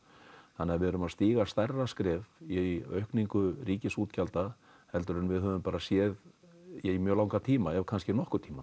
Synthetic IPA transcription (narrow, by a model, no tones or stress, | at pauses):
θanːɪavɪðɛɾʏmaðst̪iːɣast̪ɛrːaskɾɛːviœ̰ɥhkniŋkʏriːcɪsuːt̪calt̪a | hɛlt̪ʏɾɛnvɪðɦœːvʏmpaːɾasjɛːð | imjœːlaːwŋkat̪ʰiːmaɛvkʰans̬cɪnɔhkʏɾt̪ʰiːma